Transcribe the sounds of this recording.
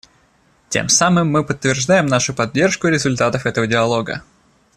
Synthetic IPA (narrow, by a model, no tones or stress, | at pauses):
tʲḛmsamɨmːɨpət̪ːvʲɪrʐd̪ajɪmnaʂʊpɐdʲːe̞rʂkʊɪɾʲɪzʊlʲt̪at̪əfɛt̪əvədʲɪɐlˠo̞ɡə̰